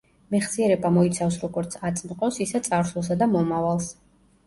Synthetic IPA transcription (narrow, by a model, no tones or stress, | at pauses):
mɛχsiɛɾɛbamɔit̪sʰafsɾɔɡɔɾt̪sʰat̪sʼmqʼɔsisɛt̪sʼaɾsʰulˠs̬ad̪amɔmavalˠs